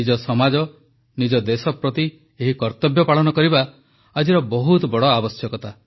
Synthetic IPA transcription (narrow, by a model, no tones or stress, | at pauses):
id͡ʒɔsɔmad͡ʒɔ | nid͡ʒɔd̪esɔpɾɔt̪i | eɦikɔɾt̪ɔbʱjɔpaɭɔnɔkɔɾiba | ad͡ʒiɾɔbɔɦut̪ɔbɔɽɔabɔsjɔkɔt̪a